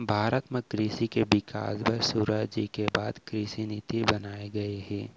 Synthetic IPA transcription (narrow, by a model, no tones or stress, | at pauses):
bʱaːɾət̪mẽkɾiːsikebɪka̰ːsbʱɐɾsuːɾaːd͡ʒikebaːd̪kɾɪsinɪt̪ibɐnaːeɡɐeɦɛ̃ː